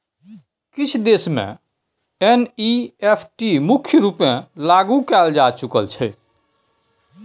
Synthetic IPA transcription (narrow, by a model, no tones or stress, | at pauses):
kit͡ʃʰd̪esmḛ̃ | eniepʰʈimukʰjəɾupmẽlaɡukɛld͡ʒat͡ʃukəlt͡ʃʰɛ